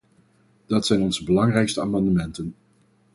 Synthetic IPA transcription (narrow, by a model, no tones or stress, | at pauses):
d̥ɑtsɛjnɔnzəbəlɑŋrɛjkstəaːmɑndəmɛntən